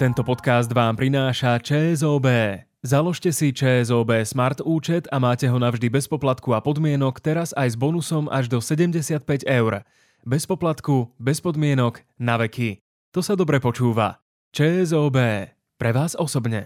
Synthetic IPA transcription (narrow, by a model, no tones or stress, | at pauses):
t̪ɛnt̪ɔpɔt̪kazd̪ʋaːmpɾinaːʃat͡ʃɛːɛzɔːbɛː | zalɔʃcɛsit͡ʃɛːɛzɔːbɛːsmaɾt̪uːt͡ʃɛt̪amaːcɛɦɔnavʒd̪ibɛspɔplat̪kuapɔd̪mɪɛnɔkt̪ɛɾazajzbɔnusɔma̰ʒd̪ɔsɛɟɛmɟɛsɪat̪̚pɛɟɛʊɾ | bɛspɔplat̪kubɛspɔd̪mɪɛnɔɡ | naʋɛki | t̪ɔsad̪ɔbɾɛpɔt͡ʃuːʋa̰ | t͡ʃɛːɛzɔːbɛː | pɾɛʋaːzɔsɔbɲɛ̰